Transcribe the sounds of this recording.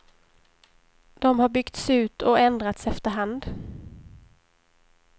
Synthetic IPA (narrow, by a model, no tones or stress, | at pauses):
d̪̥ɔmhaɾbʏɡt̪sʉ̟ːt̪ʰɔɛnd̪ɾat̪sɛft̪əɾɦand̪